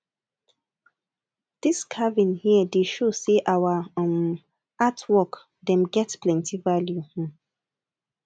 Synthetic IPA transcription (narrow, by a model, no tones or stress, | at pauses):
d̥iskʰavĩnhiədeʃoseʔawãm | atʰwɔk | dɛ̃mɡɛtplɛ̃ntivaljũ